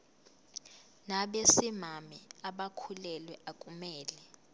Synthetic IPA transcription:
naɓesimamɛaɓakʰulɛlwɛʔakʼumɛːlɛ

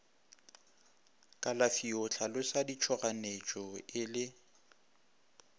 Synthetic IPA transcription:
kʼalafiʊt͡ɬʰalʊsadit͡ʃʰɔɣanet͡ʃʼɔɪlɪ

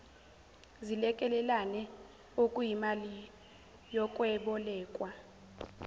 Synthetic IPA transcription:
zilɛkʼɛlɛlanɛ | okʼujimali | jɔkʼwɛɓɔlɛːkʼwa

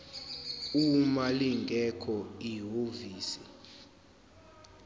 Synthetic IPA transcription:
umaliŋɡʱɛkʰɔiɦoviːsi

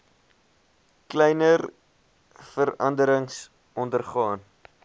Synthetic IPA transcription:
klɛjnər | fəɾɐndəɾəŋs | ɔndərχɑːn

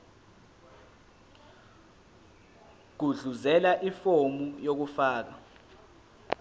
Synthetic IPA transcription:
ɡ̥̬uɮuzɛlaʔifomujok̬ufaːk̬a

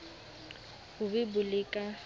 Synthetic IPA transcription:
hʊbɪbʊlɪkʼa

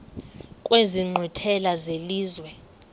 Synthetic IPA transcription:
kʼweziŋ͡ǃʱitʰɛlazeliːzwɛ

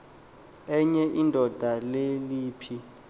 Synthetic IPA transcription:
ɛɲɛʔindʱɔd̥ʱaleliːpʰi

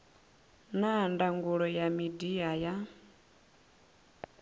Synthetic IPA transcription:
nandaŋɡuɺɔjamidiaja

